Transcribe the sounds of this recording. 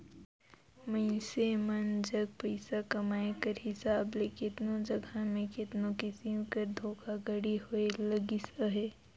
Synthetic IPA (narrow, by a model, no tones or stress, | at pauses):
məɪsemɐnd͡ʒɐɡ̚pəɪsakɐmaːekəɾɦɪsaːblekɪt̪nõd͡ʒɐɡʱamẽkɪt̪nõkɪsiõkəɾd̪ʱoːkʰaɡɐɽihoelɐɡisaɦɛː